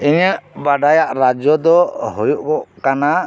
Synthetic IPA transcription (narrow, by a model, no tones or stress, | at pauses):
ɛɲjaʔbaɖajaʔɾad͡ʒɔd̪ɔhɔjuʔkɔʔkana